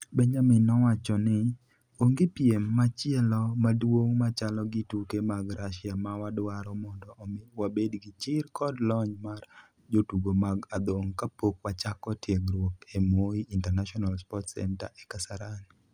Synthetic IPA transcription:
beɲd͡ʒamɪnɔwat͡ʃɔnɪ | oŋɡɪpjemːat͡ʃjɛlɔmadwoŋmat͡ʃalɔɡɪtukemaɡɾaʃjamawadwaɾɔmɔndɔwabedɡɪt͡ʃɪrkʰɔdlɔɲmar | d͡ʒotuɡomaɡad̪oŋkapokwat͡ʃakɔtjeɡɾwopemwoiintɛrnaʃɔnalspɔtsɛ̰nta̰ʔekasaɾan

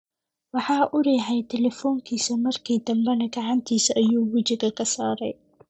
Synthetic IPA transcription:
wɑħɑːʔʊɾɛːħɛjt̪ʰɛlɛfɔːŋkʰiːsɐmɐrkʰiːd̪ɐmbɛnɐɡɑʕɑnt̪ʰiːsʔɐjuːwʊt͡ʃɪɣɐkʰɐsaːɾɛ̰j

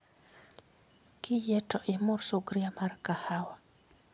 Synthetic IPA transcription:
kʰɪjɛtɔʔɪmʊɾsuɡɾiamarkahawa

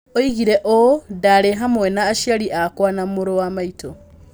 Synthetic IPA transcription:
oiɣiɾeʔodaɾeɦamwɛnaːʃjaɾiʔakwanamoɾowamaitʰo

